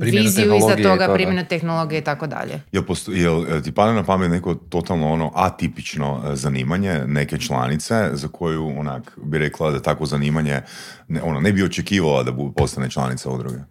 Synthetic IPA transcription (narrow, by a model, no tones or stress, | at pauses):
pɾimʋeinzijuilzaɡ̪oɡapɾimmjenut̪exnolˠo̞ɡijeit̪akod̪a̰ʎḛjelˠpost̪jelt̪ipad̪enapamet̪neko̞t̪o̞t̪alˠnoono̞ʔat̪ipit͡ʃno̞̰zaniːmaɲene̞ket͡ʃlˠa̰nit̪se̞zakʰo̞juonakbiɾeklˠad̪at̪akʋo̞zaniːmaɲe | nʔo̞nonebio̞t͡ʃekiːʋalˠad̪abud̪po̞st̪ane̞t͡ʃlˠa̰nit̪saud̪ɾo̰ɡe